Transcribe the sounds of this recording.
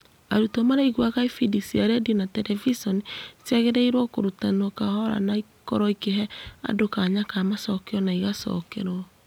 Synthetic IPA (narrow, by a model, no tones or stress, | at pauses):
aɾutomaɾaiɣwaɣaifidisiaɾɛdiɔnatɛɾɛvisɔnisɛɣeɾɛiɾwɔkoɾutanwɔkahɔɾa̰nai | kɔɾɔikeɦɛa̰dokaɲakaːmasɔkeɔnaiɣasɔ̰kḛɾɔ